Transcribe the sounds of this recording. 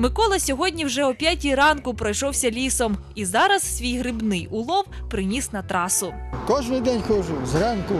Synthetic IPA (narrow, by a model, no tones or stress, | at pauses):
mɪkɔlˠɐsʲɔɦɔdʲnʲiwʒɛʊpʲjatʲiɾɑnkʊpɾɔjʃɔwsʲɐlʲisɔm | izɑɾɐzsʲʋʲijɦɾɪbnɪjʊlˠɔwpɾɪnʲisnɐt̪ɾɑsʊkɔʒnɪjd̪ɛnʲxɔʒʊzɾɑnkʊ